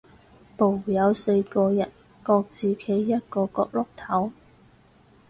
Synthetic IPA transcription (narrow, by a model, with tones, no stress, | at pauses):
po˨˩wjɐ˨˧wse˧jkɔː˧jɐ˨˩n | kɔː˧k̚t͡siː˨˩kʰe˨˥jjɐ˥t̚kɔː˧kɔː˧k̚lʊ˥k̚t̪ʰɐ˨˥w